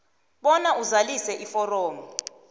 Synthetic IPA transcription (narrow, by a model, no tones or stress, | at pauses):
ɓɔnaʔuzalisɛʔifɔrɔːmi